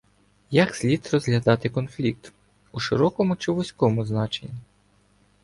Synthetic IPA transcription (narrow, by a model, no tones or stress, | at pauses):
jɐksʲlʲit̪rɔzɦlʲɐd̪ɑt̪ɪkɔnflʲik̚t̪ | uʃɪɾɔkɔmʊt͡ʃɪʋɔsʲkɔmʊznɑt͡ʃḛnʲːi